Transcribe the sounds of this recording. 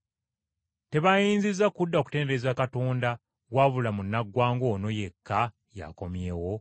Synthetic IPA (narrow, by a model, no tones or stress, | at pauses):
te̞βajiːnzizakudːaoku̥te̞ːndeezakatoːnda | ɣwaːβulamunːaɡwaːŋɡo̞ːno̞je̞kʰːa | ja̰ko̞mje̞ːwo̞